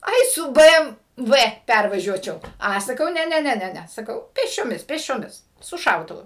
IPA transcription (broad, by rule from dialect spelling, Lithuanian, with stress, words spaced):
ˈɐɪ sʊ ˈbɘ ɛm ˈʋɘ ˈpʲærʋɐʒʲuɔt͡ʃʲɛʊ ˈɐ sɐˈkɐʊ ˈnʲɛ ˈnʲɛ ˈnʲɛ ˈnʲɛ ˈnʲɛ sɐˈkɐʊ pʲeːsʲt͡ʃʲoːˈmʲɪs pʲeːsʲt͡ʃʲoːˈmʲɪs sʊ ˈʃɐʊtʊʋʊ